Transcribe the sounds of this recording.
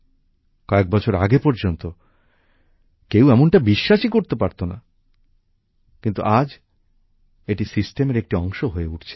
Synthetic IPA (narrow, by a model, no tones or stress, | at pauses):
kɔek̚bɔt͡ɕʰoɾa̰ɡepɔɾd͡ʑont̪o | kewɛmonʈabiʃːaʃikoɾt̪epaɾt̪ona̰ | kint̪uʔad͡ʑ | eʈisisʈemeɾek̚ʈiɔŋʃoɦoeuʈʰt͡ɕʰe̥